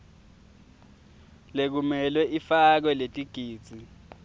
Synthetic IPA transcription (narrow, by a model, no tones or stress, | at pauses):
lek̬umɛlwɛʔifak̬wɛletʼiɡ̥ʱiːd̥z̥ʱi